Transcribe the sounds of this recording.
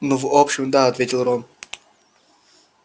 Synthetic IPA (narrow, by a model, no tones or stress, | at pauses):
nɔvopɕɪmd̪aɐt̪vʲetʲɪlˠɾon